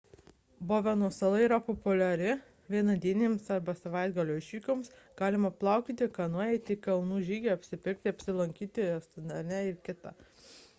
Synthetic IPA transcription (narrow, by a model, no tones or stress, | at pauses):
boːʋʲɛnuɔsɐlˠɐiːɾɐpopʊlʲɛɾʲɪ | ʋʲiɛnɐd̪ʲiɛnʲeːmsɐɾbɐsɐʋɐɪd̪ɡɐlʲoːɪʃʲʋʲiːkʲoms | ɡ̥ɑːlʲɪmɐplˠɑˑʊkʲiːt̪ʲɪkɐnuɔjɛɪt̪ʲikɐlˠnuːʒʲiːɡʲɛɐpʲsʲɪpʲɪɾʲk̚ʲt̪ʲɪɐpʲsʲɪlˠɐŋʲkʲiːt̪ʲɪst̪ɐnd̪ɐɾʲnʲɛɪɾkʲɪt̪ɑ